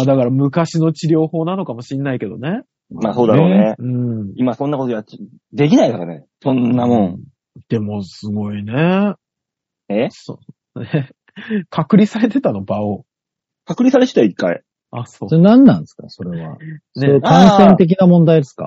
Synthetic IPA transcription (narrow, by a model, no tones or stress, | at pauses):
mad̪akaɾamɯ̟kaɕino̞t͡ɕiɾʲo̞ːho̞ːnano̞kamo̞ɕĩnːaike̞d̪one̞ | maːso̞ːd̪aɾo̞ːneɯ̟̃ɴimasõ̞nːakot̪oa | d̪e̞k̬ʲinaikaɾanesõ̞nːamõ̞ɴ | d̪̥e̞mo̞sɨɡo̞ine̞ | eso | ne | kʰakɯ̟ɾʲisaɾe̞t̪e̞t̪ano̞bao | kakɯ̟ɾʲisaɾet̪e̥t̪aikːaḭ | asoːsnãnːãnesɨ̥ka̰so̞ɾe̞βa̰neokãɰ̃sẽ̞nt̪e̞k̬ʲinamõnd̪aid̪e̞sɨ̥ka̰